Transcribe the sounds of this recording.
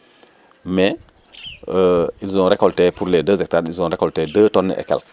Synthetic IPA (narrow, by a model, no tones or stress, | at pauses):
mɛ | ilzɔ̃ɾekɔltepuɾledəzɛk̚taɾilzɔ̃ɾekɔltedəːtɔnːəʔḛkɛ̰lk